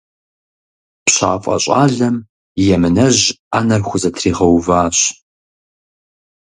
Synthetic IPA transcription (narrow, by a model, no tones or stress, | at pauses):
pɕa̰ːfʼɐ̰ɕʼaːɮɐm | jɛmɨnɐʑaːnɐrxʷʊzɐtʰriːʁɐwvaːɕ